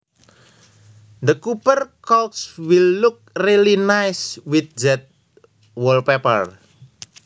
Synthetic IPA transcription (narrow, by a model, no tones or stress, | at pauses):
d̪əkupərkɔlkswilːuk̚rilinajswiθ̚d͡ʒɛt̪̚ | wɔlpepər